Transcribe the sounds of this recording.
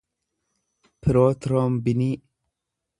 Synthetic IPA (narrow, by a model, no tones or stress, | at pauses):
pʰiɾoːt̪ɾoːmbini